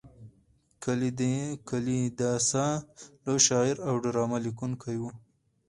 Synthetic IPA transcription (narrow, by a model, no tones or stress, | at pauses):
kʰalid̪ekalid̪asaloʃɑːɪɾawɖaɾɑːmalikunkʰajwu